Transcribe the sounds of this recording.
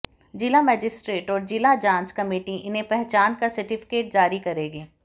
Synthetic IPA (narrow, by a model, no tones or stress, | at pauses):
d͡ʒɪlamɛːd͡ʒɪsʈɾeːʈɔːɾd͡ʒɪlad͡ʒãːɲt͡ʃkɐmeːʈiʔɪnɦẽpɛɦt͡ʃaːnkasɐɾʈɪfɪ̥keːʈ̚d͡ʒaːɾikɐɾeːɡeː